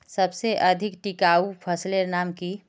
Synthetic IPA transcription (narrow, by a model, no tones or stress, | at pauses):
sɐbseʔɐd̪ʱɪkʈikaupʰəsleɾnaːmki